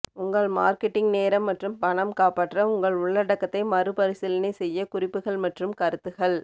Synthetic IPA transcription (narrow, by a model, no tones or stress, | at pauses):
ʊŋɡɐɭmaːɾkɛʈːɪŋɡneːɾɐmːɐʈrɯmpɐnɐmkaːpaːʈrɐʊŋɡɐɭʊɭːɐɽɐkːɐt̪ːɐɪmɐrɯpɐɾɪsɪlɐnɐɪsɛjːɐkʊrɪpːɯɣɐɭmɐʈrɯmkɐɾɯt̪ːɯɣɐɭ